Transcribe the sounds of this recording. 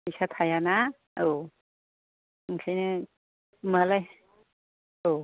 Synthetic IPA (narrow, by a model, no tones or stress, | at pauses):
isat̪ʰajana | o | ŋkʰajnɯ | malaj | o